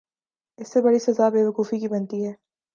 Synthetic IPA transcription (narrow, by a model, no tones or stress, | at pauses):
ɪsːebɐɽisɐzabeːʋɐkuːfikibɐnt̪iɦɛː